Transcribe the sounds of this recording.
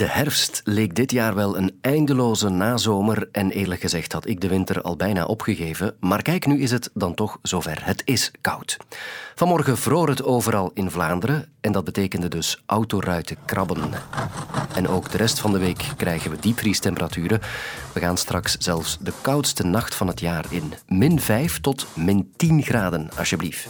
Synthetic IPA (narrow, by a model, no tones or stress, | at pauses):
d̥əhɛrfstleːk̚dɪtjaːrʋɛlˠənɛjndəloːzənaːzoːmərʔɛneːrləkxəzɛxthɑtɪɡ̚dəʋɪntərɑ̰lˠbɛjna̰ːʔɔpxəɣeːvəmaːrkɛjknyɪsɦətdɑntɔxz̥oːvɛrɦətɪskʌwtvɑnmɔrɣəvroːrɦətoːvəɾɑlˠɪnvlaːndəɾəɛndɑd̚bəteːkəndədɵsʔʌwtoːrœɥtəkrʔɑbən | ɛnʔoːɡdəɾʔɛstfɑndəʋeːkːrɛjɣənʋədipristɛmpəɾatyːɾəʋəɣaːnstrɑksz̥ɛlˠfsdəkʌwtstənɑxtfɑnɦətjaːrɪ̰nmɪnvɛjftɔtmɪntinɣraːdənɑ̰sjəblift